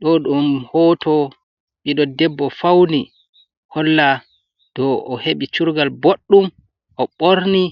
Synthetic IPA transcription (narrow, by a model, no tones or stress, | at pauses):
ɗɔɗumhɔːtɔ | ɓiɗɔdɛbːɔfawni | hɔlːa | d̥ɔʔɔheɓit͡ʃuɾɡalboɗːum | ʔɔɓoɾni